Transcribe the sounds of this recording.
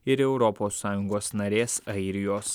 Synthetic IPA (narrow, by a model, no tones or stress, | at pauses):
ɪɾɛʊɾɔpoːsːɑːjʊŋɡoːsnɐɾʲeːsɐɪɾʲɪjoːs